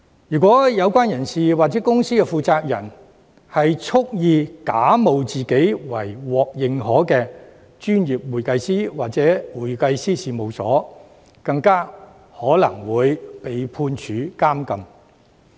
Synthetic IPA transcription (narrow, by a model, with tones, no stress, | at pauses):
jyː˨˩k̬ʷɔː˨˥jɐ˨˧wkʷaː˥njɐ˨˩nsiː˨waː˨k̚t͡sɛ˨˥kʊ˥ŋsiː˥kɛː˧fuː˨˧t͡saː˧p̚jɐ̰˨˩n | hɐ˨jt͡sʰʊ˥k̚jiː˧kaː˨˥mo˨wt͡siː˨ke˨˥jwɐ˨˩jwɔː˨k̚jɪ˨ŋɦɔː˨˥kɛː˧ | t͡ʃyː˥njiː˨p̚wuː˨jkɐ˧jsiː˥waː˨k̚t͡sɛː˨˥wuː˨˩jkɐ˧jsiː˥siː˨mo˨wsɔ̰ː˨˥ | kɐ˧ŋkaː˥ | hɔː˨˥lɐ˨˩ŋwuː˨˧jpe˨jpʰuː˧nt͡ʃʰyː˨˧˥kaː˥mkɐ˨m